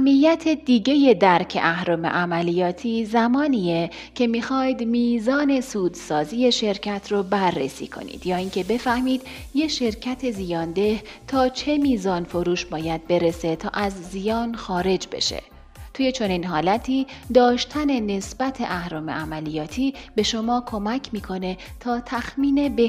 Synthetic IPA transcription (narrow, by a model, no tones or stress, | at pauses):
æmːijːæt̪ʰe̞d̪iːɟe̞je̞d̪æɾcʰe̞̰ʔæhɾoːme̞̰ʔæmælijɒːt̪ʰiːzæmɒːniːje | cʰe̞mixɒːjd̪miːzɒːne̞suːd̪sɒːzije̞ʃe̞ɾcʰæt̪ʰrobærːḛsḭːkʰo̞̰nḭːd̪̥jɒːiːcʰe̞be̞fæhmiːd̪ | je̞ʃe̞ɾcʰæt̪ʰe̞zijɒːnd̪e̞ht̪ʰɒːt͡ʃʰe̞miːzɒːnfoɾuːʃbɒːjæd̪̚be̞ɾe̞se̞t̪ʰɒ̰ːʔæzːijɒːnxɒːɾe̞d͡ʒbe̞̰ʃḛ | t̪ʰuːje̞t͡ʃʰo̞niːnɦɒːlæt̪ʰiːd̪ɒːʃt̪ʰæne̞ne̞sb̥æt̪ʰe̞̰ʔæhɾɒːme̞̰ʔæmælijɒːt̪ʰiːbe̞ʃo̞mɒːkʰo̞mæcʰmiːkʰo̞ne̞ | t̪ʰɒːt̪ʰæxmiːne̞be